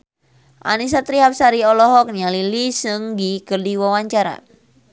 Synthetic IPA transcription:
ʔa̰nis̬at̪ɾiɦap̚saɾiɔlɔɦɔk̚nalilisɨŋɡikɨrdiwawaɲt͡ʃaɾa̰

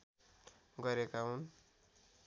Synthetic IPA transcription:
ɡʌɾekaɦun

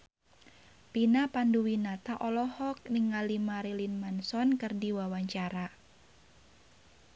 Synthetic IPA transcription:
pinapanduwinat̪aʔɔlɔhɔk̚niŋalimaɾelinmansɔnkɨrdiwawaɲt͡ʃaɾa

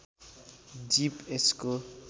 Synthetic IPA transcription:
d͡ʒipesko

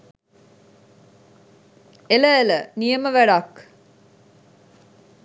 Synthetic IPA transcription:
eləelənijəməʋæɖak

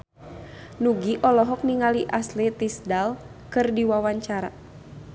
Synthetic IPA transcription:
nuɡiʔɔlɔɦɔk̚niŋaliʔaslɛt̪isdal | kɨrdiwawaɲt͡ʃaɾa̰

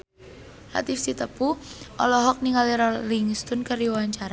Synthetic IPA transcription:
la̰t̪ift̪it̪əpuʔɔlɔɦɔk̚niŋaliɾɔliŋst̪ʊnkəɾiwaɲt͡ʃaɾa

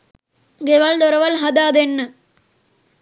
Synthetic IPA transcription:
ɡeʋald̪ɔɾɐʋɐlɦɐd̪aːd̪enːɨ

